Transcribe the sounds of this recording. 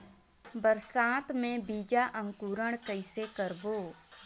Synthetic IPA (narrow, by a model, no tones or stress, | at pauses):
bəɾsaːt̪mẽbiːd͡ʒaʔə̃ŋkuːɾəɽ̃kəɪsekəɾboː